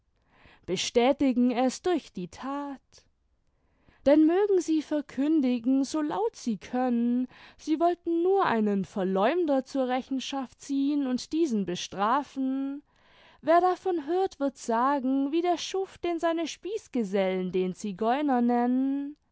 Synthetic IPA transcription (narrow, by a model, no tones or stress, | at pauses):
b̥əʃtɛːtɪɡŋ̩ɛsd̥ʊɐçd̥iːtʰaːt | d̥ɛnmøːɡŋ̩ziːfɛɐkʰʏndɪɡŋ̩zoːla̰ʊtz̥iːkʰœnənz̥iːvɔltn̩nuːɐʔa̰ɪnənfɛɐlɔʏmdɐt͡suːɐʁɛçn̩ʃaft̚t͡siːənʊntd̥iːzn̩bəʃtʁ̥aːfn̩ | veːɐdafɔnɦøːɐtv̥ɪɐtz̥aːɡŋ̩viːdeːɐʃʊfd̥eːnzaɪnəʃpiːsɡ̥əzɛləndeːnt͡siɡɔʏnɐnɛnən